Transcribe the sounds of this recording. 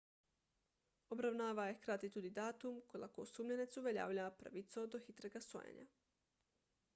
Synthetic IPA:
obɾaʋnaːʋaekɾat̪it̪ud̪id̪aːt̪umkola̰kousuːmʎenit̪suʋeʎa̰ːʋʎapɾa̰ʋit̪sod̪oxit̪ɾeɡaso̰jḛɲa̰

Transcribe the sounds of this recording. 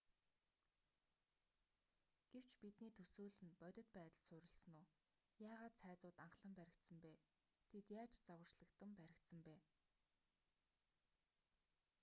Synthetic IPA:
ɡ̥ew̥t͡ɕpit̪niːt̪ʰɵsuːɮɘ̆npœt̪ʲɪ̆t̪pæːt̪ə̆ɮsʊɾʲɪ̆ɮsɵ̆nʊː | jaːʁaːt̪sʰæːt͡sʊːt̪aɴχɮə̆mpæɾʲɪ̆k̚t̪sə̆mpæː | t̪ʰet̪jaːt͡ɕt͡sawə̆rt͡ɕɮə̆kt̪ə̆mpæɾʲɪ̆kt̪sə̆mpæː

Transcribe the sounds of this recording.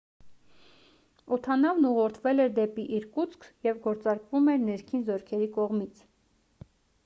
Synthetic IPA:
ɔt̪ʰɑnɑvnuʁɔɾt̪ʰvɛlɛɾd̪ɛpiʔiɾkut͡sʰkʰjɛvɡɔɾt͡sɑɾkvumɛɾnɛɾkʰinzɔɾkʰɛɾikɔʁmit͡sʰ

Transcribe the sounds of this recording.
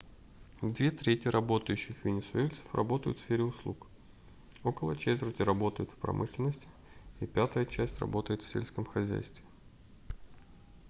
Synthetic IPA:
d̪vʲet̪ɾʲetʲɪjəɾʔɐbo̞t̪əjʉɕːɪxvʲɪnʲɪsʊelʲt̪sə̥frɐ̰bo̞t̪əjʊt̪fsfʲeɾʲɪʊslˠuk | o̞kəlˠət͡ɕet̪vʲɪrtʲɪrɐbo̞t̪əjʊt̪fpɾɐ̰mʔɨʂlʲɪnəsʲtʲɪ̥ | ipʲæt̪əjət͡ɕæsʲtʲrɐ̰bo̞t̪əjɪt̪fsʲelʲskəmxɐzʲæ̰jst̪vʲɪ

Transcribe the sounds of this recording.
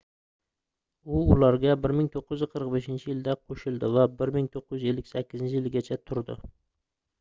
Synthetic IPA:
ʊʊlaɾɡʲabɪɾmɪŋt̪ʰoqːʊj̪ɪzqʰəɾɨqbeʃɪnt͡ʃʰɪjɪld̪aqʰoʃɪlˠd̪ɪvabɪɾmɪŋt̪ʰoqːɨjyze̞lːɪkʲsakʲːɪzɪnt͡ʃʰɪjɪlɡʲat͡ʃʰat̪ʰʊɾd̪ɪ̰

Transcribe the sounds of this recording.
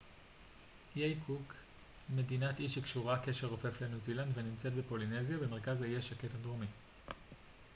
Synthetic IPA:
jejkʰuk | me̞dinatiʃikʃuʁake̞ʃe̞ʁofe̞flenuzilandvenimt͡se̞tbepo̞line̞zjabeme̞ʁkazajeʃhaketadʁomi

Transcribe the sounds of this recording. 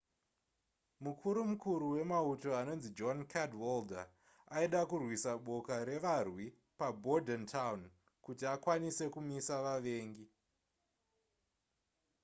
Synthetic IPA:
mukʰuɾumukuɾuwe̞mauto̞ano̞nzid͡ʒonkʰadwolda̰ | aiɗakurwisaɓo̞kaɾe̞ʋarwi | pabʱo̞dʱentʰaun | kutiakwanise̞kumisaʋaʋe̞ːŋɡi

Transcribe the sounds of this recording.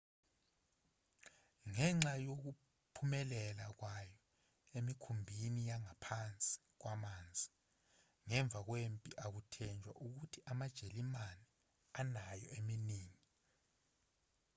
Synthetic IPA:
ŋɛŋ͡ǁajok̬u | pʰumɛlɛlak̬wajɔ | emikʰumbʱinijaŋapʰant͡sʼi̥ | k̬wamaːnd͡zʱi | ŋɛɱb̪vʱak̬wempʼiʔak̬utʰɛnd͡ʒʱwa̰ʔuk̬utʰiʔamad̥ʒ̥ʱelimanɛ | anajɔeminiːŋi

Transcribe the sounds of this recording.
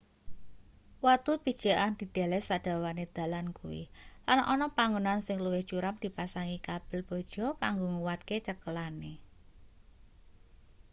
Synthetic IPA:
wat̪ubid̥ʒ̥a̤ʔand̪̥i̤d̪̥a̤lɛsad̥a̤waned̪̥ä̤lankṵwḭlanʔɔnɔpaŋunansɪŋluwɪht͡ʃuɾamd̪̥i̤pasaŋikab̥ɪ̤lb̥ɔ̤d̥ʒ̥ɔ̤kaŋɡoŋuwat̪ket͡ʃəkəlane

